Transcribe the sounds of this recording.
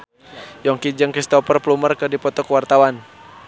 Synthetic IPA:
jɔŋkid͡ʒəŋkɾist̪ɔpərplumərkədipɔt̪ɔkwart̪awan

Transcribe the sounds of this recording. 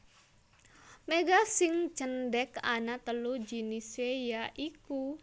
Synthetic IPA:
meɡasɪŋt͡ʃənɖɛkanat̪əlud͡ʒinisejaʔiku

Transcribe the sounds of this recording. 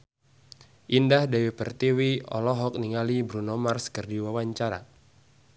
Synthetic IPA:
ʔindahdɛwipərt̪iwiɔ̰lɔɦɔk̚niŋalibɾunɔmarskərdiwawaɲt͡ʃaɾa̰

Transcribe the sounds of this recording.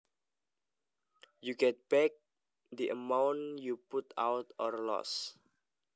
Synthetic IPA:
juɡɛt̪̚b̥ɛk̚ | d̪iʔəmãwnjuput̪a̰wt̪ɔrlɔ̰s

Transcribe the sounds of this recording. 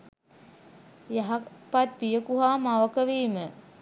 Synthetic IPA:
jaɦapat̪̚pijəkuɦaːmaʋəkəʋiːmə

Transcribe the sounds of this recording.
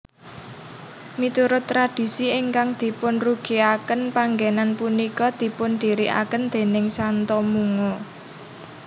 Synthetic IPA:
mit̪uɾʊt̪ːɾad̥i̤siɪŋkaŋd̪̥i̤pʊnruɡ̥i̤akənpaŋɡenanpunikɔd̪̥i̤pʊnd̪̥i̤ɾiʔa̰kənd̪̥e̤nɪŋsant̪ɔmuŋo

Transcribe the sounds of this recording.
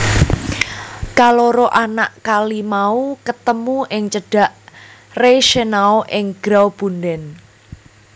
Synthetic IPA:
kaloɾoʔanaʔkalimaukət̪əmuʔɪŋt͡ʃəɖ̥a̤ʔreʃenaoʔɪŋɡ̥ɾawb̥ṳndɛn

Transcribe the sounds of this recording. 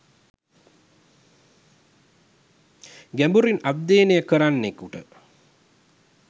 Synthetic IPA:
ɡæmbuɾinab̪̚d̪eːnejəkəɾanːekuʈə

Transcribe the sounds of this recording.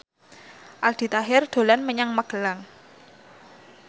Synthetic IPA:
ʔald̪̥i̤t̪aɦɪrd̪̥o̤lanməɲaŋməɡ̥ə̤laŋ

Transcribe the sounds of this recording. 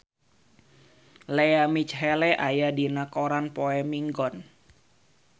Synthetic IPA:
leamit͡ʃɦɛlɛʔajadinakoɾanpoɛmiŋɡɔn

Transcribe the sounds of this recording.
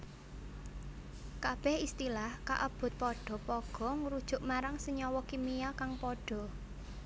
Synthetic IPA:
kab̥ɛhist̪ilahka̰ʔəb̥ʊ̤t̪̚pɔɖ̥ɔ̤pɔɡ̥ɔ̤ŋɾud̥ʒ̥ʊ̤ʔmaɾaŋsəɲɔwɔkimijakaŋpɔɖ̥ɔ̤

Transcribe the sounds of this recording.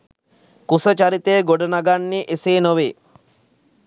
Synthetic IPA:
kusət͡ʃaɾit̪əjːɡoɖənaɡanːiʔeseːnoʋeː

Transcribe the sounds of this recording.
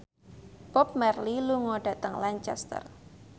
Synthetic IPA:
b̥ɔp̚mɛrliluŋɔɖ̥a̤t̪əŋlaɲt͡ʃɛ̰st̪ə̰r

